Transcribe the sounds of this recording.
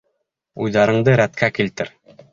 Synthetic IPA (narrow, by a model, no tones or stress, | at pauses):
ujðɑɾɤ̆ɴd̪ɤɾæt̪kʰækilt̪ɘɾ